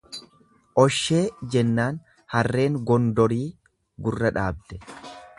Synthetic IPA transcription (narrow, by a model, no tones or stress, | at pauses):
ʔɔʃːe̞ːd͡ʒɛnːaːn | hɐrːe̞ːŋɡɔnd̪ɔɾiː | ɡʊrːɐᶑaːb̚d̪ɛ